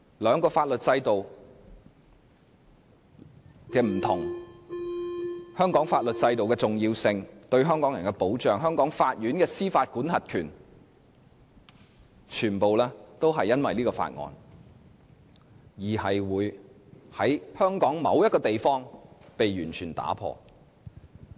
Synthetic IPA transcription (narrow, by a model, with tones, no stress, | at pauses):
lœː˨˧ŋkɔː˧faː˧t̚lɵ˨t̚t͡sɐ˧jt̪o˨w | kɛː˧m̩˨˩t̪ʰʊ˨˩ŋ | hœː˥ŋkɔː˨˥ŋfaː˧t̚lɵ˨t̚t͡sɐ˧jt̪o˨wkɛː˧t͡sʊ˨ŋjiː˧wsɪ˧ŋt̪ɵ˧ɥɦœː˥ŋkɔː˨˥ŋjɐ˨˩nkɛ˧po˨˥wt͡ʃœː˨ŋɦœː˥ŋkɔː˨˥ŋfaː˧t̚jyː˨˥nkɛː˧siː˥faː˧t̚kuː˨˥nhɐ˨t̚kʰyː˨˩n | t͡ʃʰyː˨˩npo˨wlɛː˥t̪o˥wɦɐ˨jːɐ˥nwɐ˨jliː˥kɔː˧fa̰ː˧t̚ŋɔ̰ː˨˧n | jiː˨˩hɐ˨jwuː˨˧˥jhɐ˨˥jhœː˥ŋkɔː˨˥ŋmɐ˨˧wjɐ˥t̚kɔː˧t̪e˨jfɔː˥ŋpe˨jjyː˨˩nt͡ʃʰyː˨˩nt̪a̰ː˨˥pʰɔ̰ː˧